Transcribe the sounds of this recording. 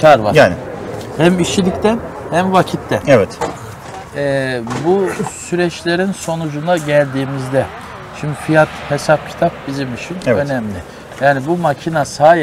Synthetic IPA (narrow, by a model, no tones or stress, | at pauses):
cʰaɾva̰ɾaːnhæmiʃilʲict̪ænhæmvacʰit̪ʰːɛnɛvɛt̪ | ɛːbusyɾɛt͡ʃlʲe̞ɾinso̞nud͡ʒunaɟælʲd̪iːmizd̪ɛ | ʃimd̪ifijat̪he̞sap̚cʰi̥t̪ʰap̚bizimit͡ʃʰineø̞nɛmlʲɪ | jaːnibumacʰinasaːj